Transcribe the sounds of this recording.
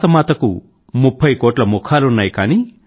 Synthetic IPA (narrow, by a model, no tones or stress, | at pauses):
t̪ɐmaːt̪ɐkṵ | mupʰːɐjkoːʈlɐmukʰaːlunːaːjkaːni